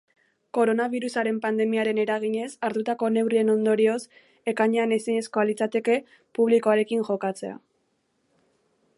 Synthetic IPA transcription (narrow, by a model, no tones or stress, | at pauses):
ko̞ɾo̞naβiɾusaɾe̞mpand̪e̞miaɾe̞ne̞ɾaɣ̞iɲe̞saɾt̪ut̪ako̞ne̞wrie̞no̞nd̪o̞ɾio̞s | e̞kaɲeaneseɲe̞sko̞alit͡sat̪e̞ke̞ | puβ̞likoaɾe̞kiŋʝo̞kat͡se̞a̰